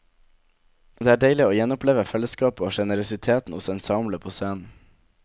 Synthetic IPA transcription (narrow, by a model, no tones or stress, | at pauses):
d̪eːæːɖeɪlɪoːjɛnʊpleːʋəfɛləskɑːpoːʃɛnəɾʊsɪt̪ʰeːt̪n̩hʊsɛːnsɑʊmləpʰoːsœːn